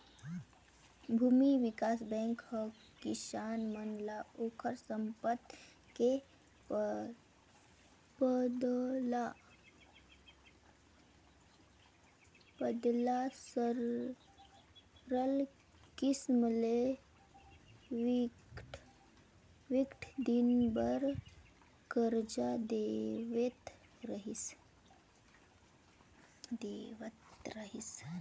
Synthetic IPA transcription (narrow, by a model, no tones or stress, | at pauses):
bʱuːmiʋikaːsbɛ̃ːŋkhə | kisaːnmənlaokʰəɾsəmpət̪ | ke | pəd̪la | bəd̪lasəɾ | ɾəl | kisməle | ʈ | ʋikʈʰd̪inbəɾ | kəɾd͡ʒad̪eʋet̪ | ɾəɦis | d̪eʋət̪ɾəɦis